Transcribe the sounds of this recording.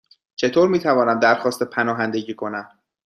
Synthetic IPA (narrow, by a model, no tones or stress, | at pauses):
t͡ʃʰe̞t̪ʰoːɾmiːt̪ʰævɒːnæmd̪æɾxɒːst̪epʰænɒːɦænd̪e̞ɟiːkʰo̞næm